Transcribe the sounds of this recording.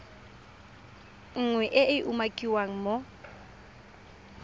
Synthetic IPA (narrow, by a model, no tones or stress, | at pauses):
ŋ̩ŋwɛʔɪʔɪʔumakʼiwaŋ̩mo